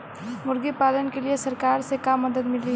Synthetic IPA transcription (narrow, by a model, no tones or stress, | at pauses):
mʊɾɡipaːlənkeliesɐɾkaːɾsekamːəd̪əd̪mɪli